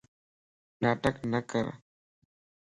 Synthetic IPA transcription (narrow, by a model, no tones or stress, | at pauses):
naːʈəknɐkɐɾa̰